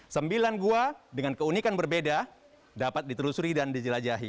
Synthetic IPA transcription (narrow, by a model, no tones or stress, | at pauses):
səmbilanɡuadəŋankəunikanbərbeda | dapat̪̚dit̪əlusuɾidandid͡ʒəlad͡ʒaɦi